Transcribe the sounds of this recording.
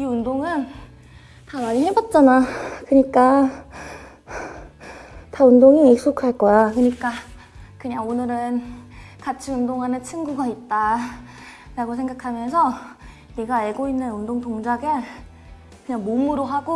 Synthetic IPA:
iundoŋɯn | tamaɾiɦebʌt̚t͡ɕ͈anakɯɲik͈a | taundoŋiek̚s͈okʰaɭk͈ʌjakɯɲik͈a | kɯɲaŋonɯɾɯnkat͡ɕʰiundoŋɦanɯnt͡ɕʰiŋɡuɡait̚t͈a | ɾaɡosʰeŋɡakʰamjʌnsʰʌ | neɡaaɭɡoinːɯnundoŋtoŋd͡ʑaɡe | kɯɲaŋmomuɾoɦaɡo

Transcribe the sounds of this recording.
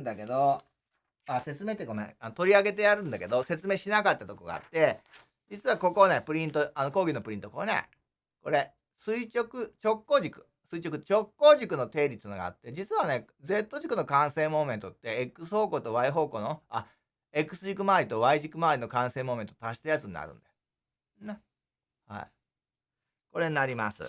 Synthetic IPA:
nd̪ake̞d̪o̞ | ase̞t͡sɨme̞ːt̪ːekomḛ̃anot̪o̞ɾʲiaɡe̞t̪e̞jaɾɯ̟̃nd̪ake̞d̪o̞se̞t͡sɨme̞ːɕinakat̪ːat̪o̞koɡa̰a̰t̪ːe̞ | d͡ʑit͡sɨβako̞ko̞ne̞pɯ̟ɾʲĩnt̪oano̞ko̞ːɡʲinopɯ̟ɾʲĩnt̪okonḛ | ko̞ɾe̞ | sɨit͡ɕo̞kɯ̟t͡ɕo̞kːo̞ːʑikɯ̟̥ | sɨit͡ɕo̞kɯ̟̥t͡ɕo̞kːo̞ːʑikɯ̟no̞t̪e̞ːɾʲit̪ɨnoɡa̰a̰t̪ːe̞d͡ʑit͡sɨβane̞ | d͡ze̞t̪ːo̞ʑikɯ̟no̞kãɰ̃sẽ̞mo̞ːment̪ot̪ːe̞ekːɯ̟sɨho̞ːko̞ːt̪o̞βaiɦo̞ːko̞ːnoa | e̞kɯ̟sɨʑikɯ̟maːɾʲit̪o̞βaiʑikːɯ̟maːɾʲino̞kãɰ̃sẽ̞ːmo̞ːme̞nt̪ot̪aɕi̥t̪ajat͡sɨɲ̟ina̰ɾɯ̟̃nd̪e | ne | ha̰ḭ | ko̞ɾe̞ɲinaɾʲima̰sɨ̰

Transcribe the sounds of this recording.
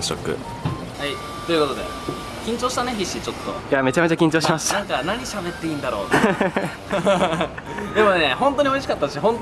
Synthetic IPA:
ɕo̰kɯ̟̰ | hai | t̪o̞jɯ̟ko̞t̪o̞d̪e̞̰ | kʲĩɲt͡ɕo̞ːɕi̥t̪ane̞çiɕːit͡ɕo̞t̪ːo̰jame̞t͡ɕame̞t͡ɕakʲĩɲt͡ɕo̞ːɕimaɕi̥t̪nãŋkanaɲ̟iɕabe̞t̪ːe̞ĩnd̪aɾo̞̰ːt̪ | d̪e̞mo̞neɦõ̞nt̪o̞ɲ̟io̞iɕi̥kat̪ːaɕiɦõnt̪

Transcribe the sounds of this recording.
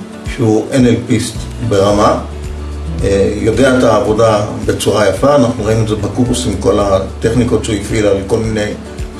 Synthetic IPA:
ʃeuʔenelpist̪ | be̞ʁama | jo̞de̞aet̪aːvo̞dabe̞t͡suʁajafaːnaχnuʁainuezebakubusimko̞lat̪e̞χnikott͡ʃoifilalko̞lmine̞j

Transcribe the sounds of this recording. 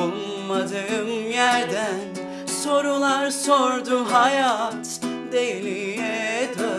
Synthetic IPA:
mad̪ɯmjæɾd̪æn | so̞ɾulˠaɾso̞ɾd̪uɦajat̪ | d̪ejlijɛt̪ʰa

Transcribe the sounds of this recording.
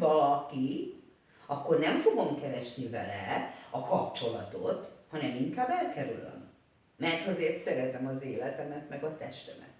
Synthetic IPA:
vɒlɒki | ɒkːo̞rnɛmfoɡo̞mkɛɾɛʃnivɛ̰lɛɒkɒpt͡ʃo̞lɒt̪o̞̰t̪hɒnɛmiŋkaːbɛlkɛɾylø̰m | mɛrt̪ɒzeːrt̪sɛɾɛt̪ɛmɒzeːlɛt̪ɛmɛt̪mɛɡɒt̪ɛʃt̪ɛmɛ̰t̪

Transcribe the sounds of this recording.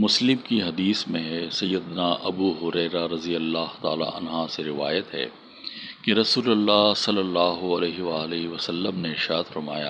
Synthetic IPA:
mʊslɪmkiɦɐd̪iːsmẽɦɛsɐjːəd̪naʔɐbuːɦʊɾɛːɾaɾɐzijəlːaːɦt̪a̰ːla̰ʔɐ̰nɦaseɾɪʋaːjət̪ɦɛ̰ː | keɾɐsuːlɐlːaːɦsɐlːəlːaːɦoɐleːɦʋaːleɦiʋɐsɐlːəmneɪɾʃaːd̪fɐɾmaːja̰

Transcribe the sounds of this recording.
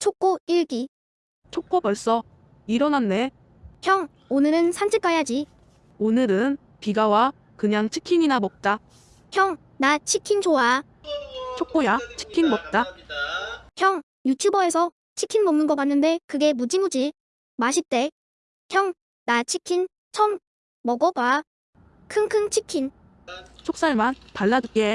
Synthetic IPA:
t͡ɕʰok̚k͈oiɭɡi | t͡ɕʰok̚k͈obʌɭs͈ʌ | iɾʌnanːe | kʰjʌŋ | onɯɾɯnsʰant͡ɕʰik͈ajad͡ʑi | onɯɾɯn | piɡawa | kɯɲaŋt͡ɕʰi̥kʰiɲinamʌk̚t͈a | kʰjʌŋ | nat͡ɕʰikʰind͡ʑoa | t͡ɕʰok͈̚ojat͡ɕʰi̥kʰinmʌk̚t͈a | kjʌŋ | jutʰjubʌe̞sʰʌ | t͡ɕʰikʰinmʌŋnɯnɡʌk͈anːɯnde̞kɯɡe̞mud͡ʑimud͡ʑi | maɕʰit͈e̞ | kʰjʌŋ | nat͡ɕʰikʰin | t͡ɕʰʌm | mʌɡʌɡwa | kʰɯŋkʰɯŋt͡ɕʰikʰin | t͡ɕʰok̚s͈aɭmanpaɭːaduɡe

